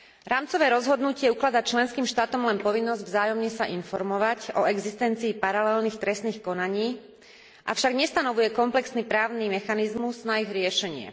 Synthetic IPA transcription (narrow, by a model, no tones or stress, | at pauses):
ɾaːmt͡sɔʋɛːɾɔzɦɔd̪nucɪɛuklad̪at͡ʃlɛnskiːmʃt̪aːt̪ɔmlɛnpɔʋinːɔzɟvzaːjɔmɲɛsaʔinfɔɾmɔʋacɔɛɡzist̪ɛnt͡siːpaɾalɛlniːxt̪ɾɛst̪niːxkɔnaɲiː | ʔa̰fʃaɡɲɛst̪anɔʋujɛkɔmplɛksnipɾaːʊnimɛxanizmuznaiɣɾɪɛʃɛɲɪɛ̰